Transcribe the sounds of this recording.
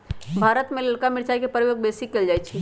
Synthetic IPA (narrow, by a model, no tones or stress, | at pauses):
bʱaːɾət̪mẽləɽkamɪɾt͡ʃaikepəɾjoːɡ̚besikːeld͡ʒajt͡ʃʰi